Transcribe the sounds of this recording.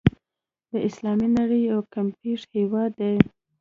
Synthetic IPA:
d̪əʔɪslɑminaɽəjawkampeʂhewɑd̪ːe

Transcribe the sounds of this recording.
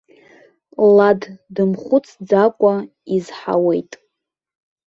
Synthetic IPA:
laddɨmχʷʊt͡sʰd͡zakʷʼa | izħa̰we̞jtʼ

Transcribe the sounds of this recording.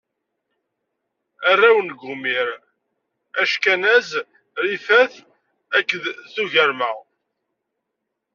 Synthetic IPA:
ærːæwənɡʷumiɾ | æʃkænæz | ɾifæθ | ækːəðθuʝəɾmæ

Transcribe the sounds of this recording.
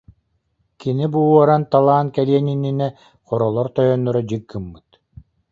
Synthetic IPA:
kinibuuɔɾant̪alˠaːnkɛliɛnininɛ | χɔɾɔlˠɔɾt̪ɔjɔnːɔɾɔd͡ʑɯkːɯmːɯt̪

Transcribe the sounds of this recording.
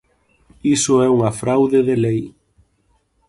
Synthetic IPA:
isʊɛuŋafɾawðɪðelej

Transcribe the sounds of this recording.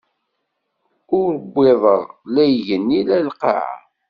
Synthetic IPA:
ʊɾəbʷːɪðˤəʁlæjʝənːilælqa̰ʕa̰

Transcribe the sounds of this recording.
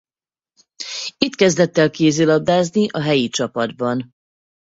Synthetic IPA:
it̪kɛzd̪ɛt̪ːɛlkeːzeːlɒb̚d̪aːzniʔɒɦɛjit͡ʃɒpɒd̪bɒn

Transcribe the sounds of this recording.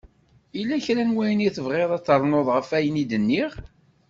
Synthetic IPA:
ilːæçɾænwæjəniθəvʁeðˤɑt͡sːəɾˤnoðˤʁəfæjənid̪ənːiʁ

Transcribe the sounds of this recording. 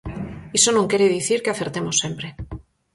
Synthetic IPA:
isonõŋkeɾeðiθiɾkeaθeɾt̪emosːempɾe

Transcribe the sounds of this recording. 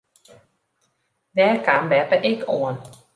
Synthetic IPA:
ʋɛːkambɛpəʔɪkʰoən

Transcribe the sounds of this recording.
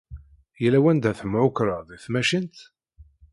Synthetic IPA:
jəlːæwænd̪æθəmːʕʊkɾəðæθmæʃint̪

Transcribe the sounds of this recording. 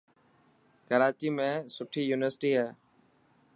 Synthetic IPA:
kəɾaːt͡ʃiːmẽːsʊʈʰiːjuːnɪʋəɾsʈiːɦɛː

